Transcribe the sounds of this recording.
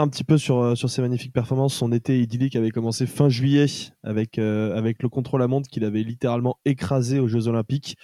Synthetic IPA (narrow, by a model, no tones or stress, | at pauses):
ɛ̃pət̪ipøsyʁsyʁsemaɲifik̚pɛʁfɔʁmɑ̃sɔ̃net̪eid̪ilikavɛkɔmɑ̃sefɛ̃ʒɥijɛa̰vɛkøavɛkləkɔ̃t̪χolamɔ̃d̪kʲilavɛlit̪eʁalmɑ̃ekχazeoʒøzɔlɛ̃pik